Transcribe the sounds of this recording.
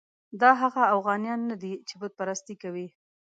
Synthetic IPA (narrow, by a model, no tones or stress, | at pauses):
d̪ɑɦaɣaːfɣɑnjɑnːad̪it͡ʃebəd̪̚paɾast̪ikawi